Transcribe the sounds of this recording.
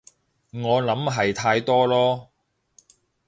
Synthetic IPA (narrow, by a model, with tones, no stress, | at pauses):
ŋɔː˨˧lɐ˨˥mɦɐ˨jt̪ʰaː˧jt̪ɔː˥lɔː˥